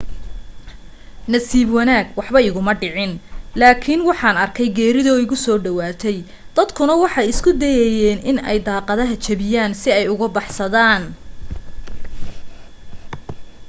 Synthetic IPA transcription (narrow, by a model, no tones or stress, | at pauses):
nɐsiːbwɑnaːɡwɑħbɐɪɣʊmɐɖɪʕɪnlaːkʰɪnwɑħɑːnɐrkʰɛjɡɛːɾɪðɔːɪɣʊsɔːɖɐwaːt̪ʰɛj | d̪̥ɐd̪kʰʊnɐwɑħɑjɪskʰʊd̪ɛjɛjɛːnɪnɛ̰jd̪ɑːqɑðɐɦɐt͡ʃʰɐβɪjaːnsɪɛjʊɣɐbɑħsɐðaːn